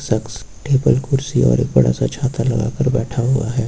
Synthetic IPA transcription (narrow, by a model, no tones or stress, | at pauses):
səks | ʈeːbəlkʊɾsiɔ̰ːɾeːk̚bɐɽa̰sat͡ʃʰaːt̪alɐɡa̰ːkəɾbɛːʈʰaɦʊaɦɛː